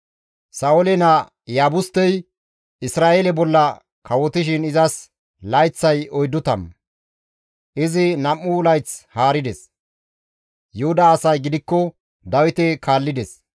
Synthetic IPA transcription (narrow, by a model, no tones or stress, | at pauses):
sɐwɔlɛnɐ | jaːbʊst̪ːɛj | ɪsɾaːʔeːlɛbɔlːɐ | kɐwɔt̪ɪʃ̬ɪnɪzɐs | lɐjt͡sːɐjɔjd̪ːʊt̪ɐ̰m | ʔɪzɪnɐmːʊlɐjt͡shaːɾɪd̪ɛs | jʊhʊd̪ɐːsɐjɡɪd̪ɪkːɔ | d̪ɐwɪt̪ɛkʰaːlːɪd̪ɛs